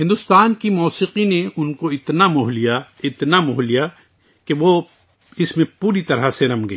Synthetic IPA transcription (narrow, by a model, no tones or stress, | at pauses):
ɦɪ̃nd̪ʊst̪aːnkimɔːsiːqineʊnkoɪt̪namʊɦlijaɪt̪namʊɦlija | keʋo | ɪsmẽpuːɾit̪ɐɾaseɾɐmɡɐ